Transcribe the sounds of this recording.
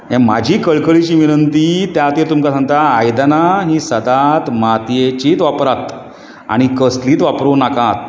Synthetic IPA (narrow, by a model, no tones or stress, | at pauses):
ɦɛ̃ma̰d͡ʑʱiːkəɭkəɭit͡ɕiːʋinənt̪iːt̪jat̪et̪umkasaŋt̪aːjd̪anaɦĩːsəd̪at̪mat̪jet͡ɕiːt̪ʋapɾat̪ | a̰ɽ̃ikəsliːt̪ʋapɾonakat̪̚